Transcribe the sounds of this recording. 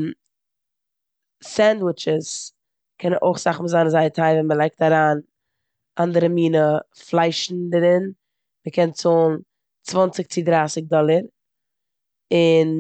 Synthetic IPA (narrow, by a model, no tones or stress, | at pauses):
sɛndwɪt͡ʃəs | kʰɛnənʔo̰ɪχsaχməzanzaɪətʰaɪvɛnməlˠaɪk̚taɾaːn | ʔandəɾəmiːnəflˠaɪʃn̩dəɾɪn | məkʰɛnt͡soːlˠnn̩ | t͡svant͡sɪk̚t͡sɪdɾaːsɪk̚dɔlˠəɾ | ɪn